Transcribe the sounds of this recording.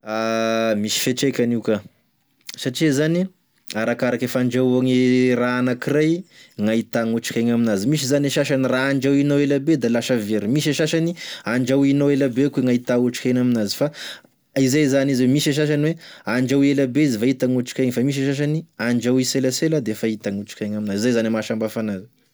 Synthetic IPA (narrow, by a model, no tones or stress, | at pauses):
amisi̥feʈ͡ʂejkʲaniwka | saʈ͡ʂizani | aɾakaɾakefaɳd͡ʒaaŋiraanakirajŋait̪aŋuʈ͡ʂḁkʲaŋaminazimiʃ̬izaneʃaʃaniraaɳd͡ʒawinowelabed̪alaʃaveɾimiʃ̬eʃaʃaniaɳd͡ʒawinoelabekweŋait̪auʈ͡ʂi̥kʲajnaminazi̥fa | izajzanizwemiʃeʃ̬aʃ̬aniweaɳd͡ʒawelabeizifait̪aŋuʈ͡ʂi̥kʲajŋfamiʃ̬eʃaʃ̬aniaɳd͡ʒawiselaselad̪eefait̪aŋuʈ͡ʂi̥kʲaŋaminazizajzanimaʃambafanazi̥